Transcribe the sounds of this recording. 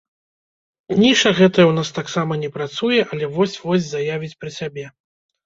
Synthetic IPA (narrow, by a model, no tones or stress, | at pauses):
nʲiʂɐɣɛt̪ɐjɐwnast̪aksamɐnʲɛpɾat̪sujɛʔɐlʲɛvɔsʲvɔsʲzajavʲit͡sʲpɾɨsʲabʲɛ